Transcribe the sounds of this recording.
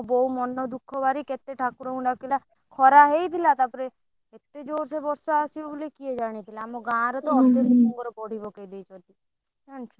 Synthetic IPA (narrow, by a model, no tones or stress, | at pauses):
bɔɦumɔnːɔd̪ukʰːɔbaɾiket̪eʈʰakuɾɔũɳɖakila | kʰɔɾaɦejt̪ʰilat̪apɔɾe | et̪ed͡ʒoɾsebɔɾsaːsiobulekied͡ʒaɽ̃it̪ʰilaːmoɡãɾɔt̪ɔɔd̪enuɔ̃ŋɡɔɾɔpɔɽ̤ibɔkajd̪ejt͡ʃʰɔ̃nt̪i | d͡ʒant͡ʃʰɔ